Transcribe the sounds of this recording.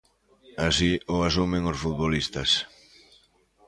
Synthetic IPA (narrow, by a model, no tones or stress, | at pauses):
asioasumẽŋosfuðβolist̪ɐs